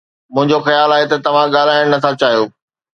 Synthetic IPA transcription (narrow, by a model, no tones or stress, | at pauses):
mʊ̃ɦɪ̃ɲd͡ʑoxɐjaːlaːɦet̪ɐt̪ɐʋ̤ãɠaːlaːɪɽ̃nɐt̪ʰãt͡ɕaːɦijoː